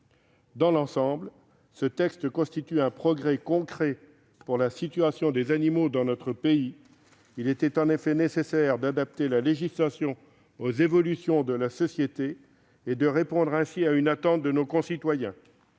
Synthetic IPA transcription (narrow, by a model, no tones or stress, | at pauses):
d̪ɑ̃lɑ̃sɑ̃bl | sət̪ɛkst̪əkɔ̃st̪it̪yɛ̃pχɔɡʁɛkɔ̃kχɛ | puʁlasit̪yasjɔ̃d̪ezanimod̪ɑ̃nɔt̪χəpei | ilɛt̪ɛt̪ɑ̃nefɛnesesɛʁd̪ad̪ap̚t̪elaleʒislasjɔ̃ | ozevɔlysjɔ̃d̪əlasɔsjet̪eː | d̪əʁepɔ̃d̪ʁɛ̃siaynat̪ɑ̃t̪̚d̪ənokɔ̃sit̪wajɛ̃